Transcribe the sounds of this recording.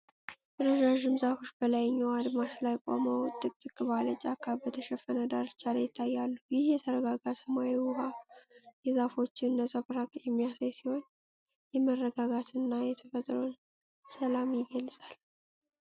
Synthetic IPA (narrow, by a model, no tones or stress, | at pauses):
ɾəʒaʒɪmzafo̞t͡ʃːbəlajɲːawad̪maslajkʼo̰məwt̪ʼːɨkʼt̪ʼɨkʼːɨβalət͡ʃʼakʰːabət̪ʰəʃɛfənəd̪aɾt͡ʃːaləjɪt̪ʰːajːalːujɪhjɛt̪ʰəɾəɡaɡasəmawiwʊhajɛzafo̞t͡ʃːɪnːəsʼəβɾakʼjɛmːijasajsiho̞n | jɛmərːəɡaɡat̪ʰɨnːajɛt̪ʰəfət̪ʼɾon | səlamjɪɡəlsʼal